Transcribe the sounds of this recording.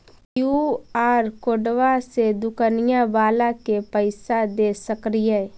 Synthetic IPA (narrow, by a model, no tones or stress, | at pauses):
juːaːɾkoːɖʋased̪ʊkənɪjãbaːlakepəɪsad̪esəkɾijə